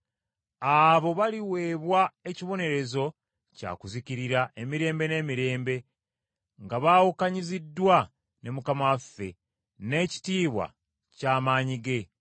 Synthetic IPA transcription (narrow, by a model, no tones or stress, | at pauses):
aβo̞βaliwe̞ːβwae̞ciβo̞ne̞ɾe̞zo̞ | ca̰kuziciɾiɾaʔe̞miɾe̞ːmbe̞ne̞ːmiɾe̞ːmbe̞ | ŋɡaβaːwukaɲizidːwa | ne̞mukamawafːe̞ | ne̞ːci̥tiːβwa̰ | caːmaːɲiɡe̞